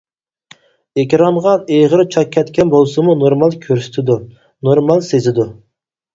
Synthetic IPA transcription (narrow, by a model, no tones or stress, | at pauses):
ekʲɾɑmʁɑneʁəɾt͡ʃʰɑkʲʰːɛt̪kʲʰɛnbolˠsɨmunoɾmɑlˠkʲʰøɾsy̥t̪ʰɪd̪u | noɾmɑlˠsezɪd̪u